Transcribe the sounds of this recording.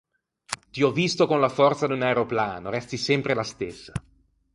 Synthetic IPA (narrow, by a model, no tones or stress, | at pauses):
t̪iɔvːist̪okonlafɔrt̪sad̪unaeɾoplaːnoɾɛst̪isɛmpɾelast̪esːa